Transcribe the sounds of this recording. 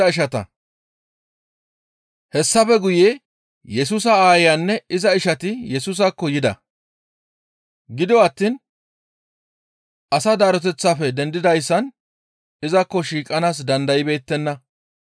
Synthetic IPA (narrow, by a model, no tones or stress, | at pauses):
ɐɪʃɐt̪ɐ̰ | hɛsːɐfɛɡʊjeː | jɛs̬uːs̬ɐaːjɪjɐnːɛɪzɐɪʃɐt̪ɪjɛsuːs̬ɐkːɔjɪd̪ɐ̰ | ɡɪd̪ɪɔɐt̪ːin | ʔɐsɐd̪aːɾɔt̪̬ɛt͡sːaːfɛd̪ɛnd̪ɪd̪ɐjsːɐn | ɪzɐkːɔʃiːkʼːɐnaːs̬d̪ɐnd̪ɐjɪbe̞ːt̪ːɛnːɐ